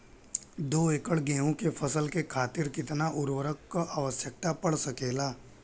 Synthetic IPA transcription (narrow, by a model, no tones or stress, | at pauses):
d̪oːeːkəɭɡɛ̃ːɦõkepʰəsəlkekʰaːt̪ɪɾkɪt̪naʔʊɾʋəɾəkkoʔaːʋəsjək̚t̪apɐɽsɐkeːlaː